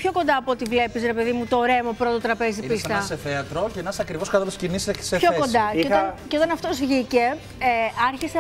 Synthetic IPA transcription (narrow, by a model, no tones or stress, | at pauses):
pço̞ko̞nd̪ɐːpot̪ivle̞pisɾe̞pe̞ðimut̪oɾe̞mopɾo̞t̪ot̪ɾɐpe̞ziipist̪ɐseθeɐt̪ɾo̞ceenɐsɐkɾivoskɐt̪ɐlscinisseçoko̞nd̪ɐot̪ɐceo̞t̪ɐnɐft̪o̞zʝice̞ | ɐɾçise